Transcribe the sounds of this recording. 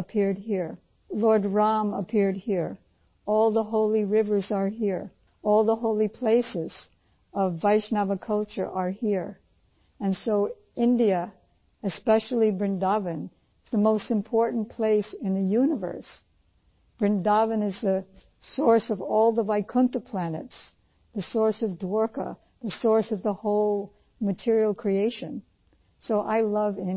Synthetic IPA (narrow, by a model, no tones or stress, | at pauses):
əpʰɪɹd̚hiɹ | lɔɹd̚ɹɑ̃məpʰɪɹd̚hiɹ | ɔlˠðəɦoʊlˠiɹɪvə˞zə˞ɦiɹ | ɔlˠðəɦoʊlˠipʰl̥eɪsɪz̥ | ʌvːaɪʃnɑvəkʰʌlˠt͡ʃə̰˞ʔə˞hiɹ | ɨ̃nsoʊ | ɪ̃ndiɨ | ɨspɛʃl̩ˠibɹɨ̃ndɑvɨ̃n | ɪz̥ðəmoʊstɨ̃mpʰɔɹʔn̩pʰl̥eɪsɨ̃nðɨjʉnəvə̰˞s | b̥ɹɨ̃ndɑvɨ̃nɨzðɨ | sɔɹsʌvɔlˠðəvaɪkʰʊ̃ntɨpʰl̥ænɨ̰ts | ðɨsɔɹsʌvdwɔɹkə̰ | ðɨsɔɹsʌvðəhoʊlˠ | mɨtʰɪɹil̩ˠkʰɹ̥ieɪʃɨ̰̃n | soʊʔa̰ɪlʌvɪ̃